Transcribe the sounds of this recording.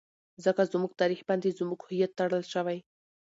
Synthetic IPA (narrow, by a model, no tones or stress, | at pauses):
zəkazmuɡ̚t̪ɑɾixband̪ezmuɡhʊjat̪ːaɽəlʃəwaj